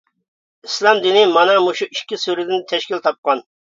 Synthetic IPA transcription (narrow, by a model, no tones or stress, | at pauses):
islˠɑmd̪ɪnɪmɑnɑmuʃuiʃkʲisyɾɪd̪ɪnt̪ʰɛʃkʲilt̪ʰɑp̚qɑn